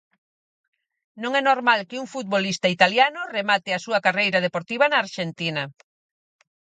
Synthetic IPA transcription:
nõŋɛnoɾmalkɪuŋfut̪̚βolist̪ait̪aljanʊremat̪ɪasuɐkarejɾað̞epoɾt̪iβɐnaːɾʃent̪inɐ

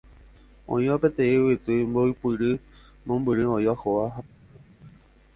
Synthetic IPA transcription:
õ̰ĩʋapẽt̪ẽĩwit̪ɨmboipɨɾɨ | mõmbɨɾɨõĩʋahoʋa

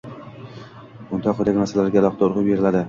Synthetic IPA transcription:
bʊnt̪ʰɒqʰːod̪akʲnaɾsallaɾɡʲalˠɒqʰɑt̪aʊɾʁɨp̚be̞ɾɪlad̪ɪ

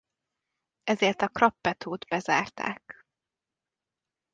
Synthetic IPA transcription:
ɛzeːrt̪ɒkrɒpːɛt̪ʰoːd̪bɛzaːrt̪ʰa̰ːk

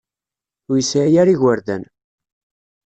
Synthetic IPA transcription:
jəsʕjæɾiʝəɾðæ̰n

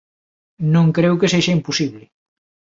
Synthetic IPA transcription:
nõŋkɾewkeseʒaimpusiβlɪ

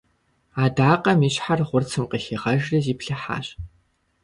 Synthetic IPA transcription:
aːdaːqɐmiːɕħarʁʷʊrt͡sʰɨmqəxiʁɐʒrɐziːpɬɐħa̰ːɕʼ

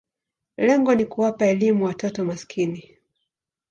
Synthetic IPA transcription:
lɛŋɡɔnikuwapaɛlimuwatɔtɔmaskʰini

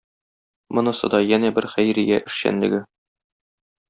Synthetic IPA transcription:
mɤ̆nɤ̆sɤ̰̆d̪ɑjænæbɘɾχæjɾɘ̆jæʔɘ̆ʃɕæ̰nlɘ̆ɡɘ

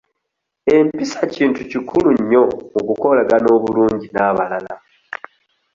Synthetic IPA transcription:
e̞mpisaciːntucikʰuluɲːo̞okuko̞laɡano̞ːβuluːɲɟinaːβalala

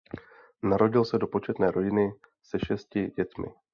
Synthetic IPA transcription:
naɾo̞ɟɪlsɛdo̞po̞t͡ʃɛt̪nɛːɾʔo̞ɟɪnɪ | sɛʃɛscɪɟɛt̪mɪ̰

